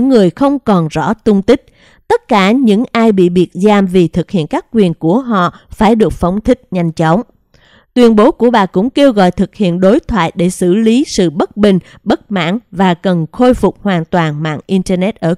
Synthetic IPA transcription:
ɨ˧˥ŋːɨ˨˩əjxə˧wŋ͡mkɔ˨˩nzɔ̰˧˥t̪ʊ˧ŋ͡mt̪ï˦˥k̟̚ | t̪ə˦˥t̚kaː˧˩ɲɨ̰˧˥ŋʔaː˧jɓḭ˧˨ɓi˨˩ət̚zaː˧mvi˨˩t̪ʰɨ˨˩k̚hḭ˧˨ənkaː˦˥kːwi˨˩ənku˧˩əɦɔ̰˧˨faː˧˩jɗɨ˨˩ək̚fə˨˦wŋ͡mt̪ʰï˦˥k̟̚ɲa˧jŋ̟t͡ɕɔ˨˦wŋ͡m | t̪wi˨˩ənɓo˨˦ku˧˩əɓaː˨˩kʊ̰˧˥ŋ͡mke˧wɣɔ̰˧˨jt̪ʰɨ˨˩k̚hḭ˧˨ənɗo˨˦jt̪ʰwa̰ː˧˨jɗe˧˩sɨ̰˧˩li˨˦sɨ̰˧˨ɓə˦˥t̚ɓï˨˩ŋ̟ | ɓə˦˥t̚ma̰ː˧˥nvaː˨˩kə˨˩nxo˧jfʊ˨˩k͡p̚hwaː˨˩nt̪waː˨˩nma̰ː˧˨nʔi˧ntə˧nɛ˦˥t̚ʔəː˧˩

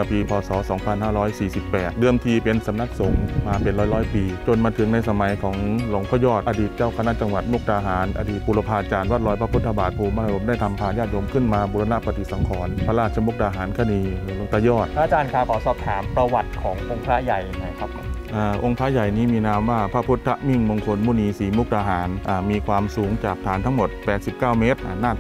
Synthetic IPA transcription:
a˧˩piː˧pʰɔː˨˧sɔː˩˦sɔː˨˩˦ŋpʰa˧nhaː˥˩ɾɔː˦˥˩jsiː˨˩si˨˩pːɛː˨˩t̪̚dɯ˧˩əmt̪ʰiː˧pe˧nsa˨˦mna˧˥˩k̚so˨˩˦ŋmaː˧pe˨nɾɔː˦˥˩jɾɔː˦˥jpiː˧t͡ɕo˧nmaː˧t̪ʰɯ˨˩˦ŋna˧jsa˧ma˩˦jkʰɔː˩˦ŋlo˨˦ŋpʰɔː˧˥˩jɔː˥˩t̪̚ʔa˧diː˨˩t̪̚t͡ɕaː˥˩wkʰa˧na˦˥˩t͡ɕa˧ŋwa˨˩t̪̚mo˥˩k̚daː˧ɦaː˩˦nʔa̰˧diː˨˩puː˧la˧pʰaː˧t͡ɕaː˧nwa˦˥˩lɔː˧˥jpʰa˧pʰu˦˥t̪ʰːa˧baː˨˩t̪̚pʰuː˧ma˧˨ɾo˧˦mdaː˥˩jt̪ʰa˧mpʰaː˧jaː˥˩t̪̚jo˧mkʰɯ˥˩nmaː˧buː˧la˧na˧˥˩pa˧t̪i˨˩t̪sa˨˦ŋkʰɔː˩˦npʰa˧laː˥˩t̪̚t͡ɕʰa˧mu˦˥k̚daː˧ɦaː˩˦nkʰa˧˩niː˧˩lo˧˦ŋt̪a˧˩jɔː˥˩t̪̚ʰa˧t͡ɕaː˧nkʰaː˧˩wkʰɔː˨˧˦sɔː˨˩p̚t̪ʰaː˩˦mpɾa˧wa˨˩t̪̚kʰɔː˩˦ŋʔo˧ŋpʰaː˦˥ja˨˩jŋa˧˥˩kʰa˦˥p̚ʰːo˧˦ʔaː˧˩ʔo˧ŋpʰaː˦˥ja˨˩jniː˦˥miː˧naː˧˥mwaː˧˥˩pʰa˦˧˥pʰu˦˥t̪ʰːa˦˧ʔmi˥˩ŋmo˧ŋkʰo˧nmuː˧˥˩niː˧siː˨˩˦mu˦˥k̚daː˧ɦaː˩˦nʔaː˧˩miː˧kʰwaː˧msuː˩˦ŋt͡ɕaː˨˩k̚t̪ʰaː˨˦nt̪ʰa˦˥ŋmo˨˩t̪̚pɛː˨˩t̪̚si˨˩p̚kaː˥˩wme˦˥t̪̚ʔa˨˩nːaː˥˩

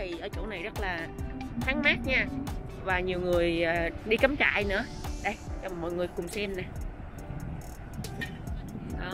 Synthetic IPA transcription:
i˨˩ʔəː˧˩t͡ɕṵ˧˥na˨˩jzə˦˥t̚laː˨˩xʰaː˨˦ŋmaː˦˥t̚ɲaː˧ | vaː˨˩ɲi˨˩əwŋɨ˨˩əjːɗi˧kə˨˦mt͡ɕa̰ː˧˨jnɨ̰˧˥əɗə˧˩jt͡ɕːmɔ̰˧˨jŋɨ˨˩jkʊ˨˩ŋ͡msɛ˧mnaː˨˩ | ʔəː˨˩

